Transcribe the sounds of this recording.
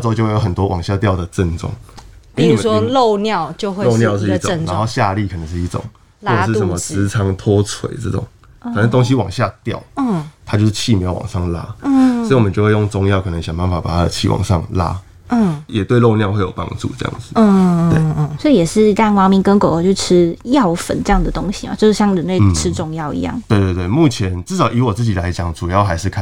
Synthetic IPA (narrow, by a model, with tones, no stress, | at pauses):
ɔ˥˧t͡ɕo˥˧ʊwe˥˩jo˨˥ʊə˨˩nt̪wɔ˦wɑ̰˨˩ŋɕja˥˧t̪jɑ˥˨ʊd̪ə˩ʈ͡ʂə˥˧˨nʈ͡ʂɔ̰˥˩ŋpi˥u˨˦˥swɔlo˥˨ʊnjɑ˥˨ʊt͡ɕjo˥˧xwe˥lo˥˧ʊnjɑ˥˧ʊʂɻ̩˥˧˥t͡sna˧˦ŋxo˥˧ʊɕja˥˧li˥˨˩kʰə˨˩nə˧˦ŋʂ̬ɻ̩˥˧i˥˩ʈ͡ʂʊ̰˨˩˦ŋ | ɔ˥˩˧ʂɻ̩˥˨˩sə˧˦nmə˧t͡sɹ̩˧˥˦t͡sʰɑ˧˥ŋt̪ʰɔ˦t͡sʰwḛ˨˦ɪt͡sɤ˥˩ʈ͡ʂʊ̰˨˩ŋ | kʰə˨˩ə˧˦ŋt̪o˥ŋɕ̬i˦wɑ˨˩ŋɕja˥˧t̪jɑ̰˥˨˩ʊ˥˩t̪ʰa˦t͡ɕjo˥˧ʊʂ̩˥˩t͡ɕʰi˥˩mjɑ˧˥ʊwɑ̰˨˩ŋʂɑ˥˩ŋla̰˦˥swi˨wɔ˨mə˦t͡ɕjo˥˧ʊwe˥˧jo˥˩ŋt͡sʊ˦ŋjɑ˥˩ʊkʰɤ˨˩nə˧˦ŋɕjɑ˨ŋba˥˩nfa˨˩pa˨˩t̪ʰa˦d̪ə˧t͡ɕʰḭ˥˩wʔɑ̰˨˩ŋʂɑ̰˥˧ŋla̰˦˥˩ | jɛ˨˩t̪we˥˧ɪlo˥˧ʊnjɑ˥˧ʊxwe˥˩ɪjo˨˩ʊpɑ̰˥ŋʈ͡ʂṵ˥˧ʈ͡ʂɤ˥˧jɑ̰˥˩ŋd͡z̩̪˩˥˧we˥˧˩swɔ˧˥i˨jɛ˨˩ʂɻ̩˥˩i˧˥t̪a˥˩nwɑ˧˥ŋmi˧˥ŋkə˧˥ŋko˨˩ʊ˧˩jo˥˩ʈ͡ʂ̩ʰ˥jɑ˥˨ʊfə̰˨˩nʈ͡ʂɤ˥˧jɑ˥˩ŋd̪ə˩t̪o˥ŋɕi˨ma̰˨t͡ɕjʊʂɻ̩˥˩ɕjɑ˥˩ŋɻə˧˦nle˥˩ɪʈ͡ʂʰɻ̩˥ʈ͡ʂʊ˥˧ŋjɑ˥˩ʊḭ˧˥jɑ̰˥˩ŋt̪we˥˧ɪt̪we˥˧ɪt̪we˥˩ɪmu˥˩t͡ɕʰjɛ˧˦nʈ͡ʂɻ̩˥˧˩ʂɑ˨˩ʊʔi˧˥wɔ˨˩t͡sɹ̩˥˩t͡ɕi˨˩la˧˦ɪt͡ɕjɑ˨˩ŋʈ͡ʂu˨˩jɑ˥˩ʊxa˧˦ɪʂɻ̩˥˩kʰ